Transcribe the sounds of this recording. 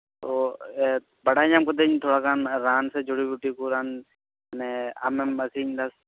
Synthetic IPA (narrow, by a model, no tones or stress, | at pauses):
t̪oː | bəɽaːɲãːmkod̪eːɲt̪ʰoːɽaːkaːnɾaːnsed͡ʒʊɽiːbuʈiːkuːɾaːn | nea̰meməsiːɲd̪as